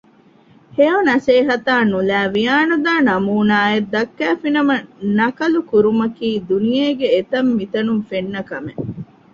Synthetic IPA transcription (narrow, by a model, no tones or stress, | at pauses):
heonɐseːɦɐt̪aːnulæːʋijaːnud̪aːnɐmuːnaːed̪ːɐkːæːfinɐmɐnɐkɐlukuɾumɐkiːd̪unijeːɡeːt̪ɐmːit̪ɐnumfenːɐkɐme